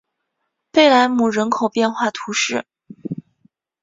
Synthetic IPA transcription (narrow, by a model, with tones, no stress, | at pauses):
pe˥˩ɪla˧˥nmu˨˩ɻə˧˥nkʰo˨˩ʊpjɛ˥˧nxwa˥˩t̪ʰu˧˥ʂɻ̩˥˩